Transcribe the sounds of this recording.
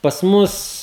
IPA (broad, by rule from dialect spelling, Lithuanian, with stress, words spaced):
pɐs ˈmʊs